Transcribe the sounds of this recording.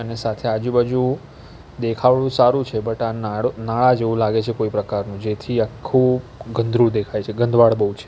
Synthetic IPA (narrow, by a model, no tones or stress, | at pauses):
ənesat̪ʰead͡ʒubad͡ʒũ | d̪ekʰaʋɭũsaɾũt͡ʃʰebəʈanaɭonaɭad͡ʒeʋũlaɡet͡ʃʰekoipɾəkaɾnũd͡ʒet̪ʰiakʰːuɡənd̪ʱɾũd̪ekʰajt͡ʃʰeɡənd̪ʱʋaɭbəɦut͡ʃʰe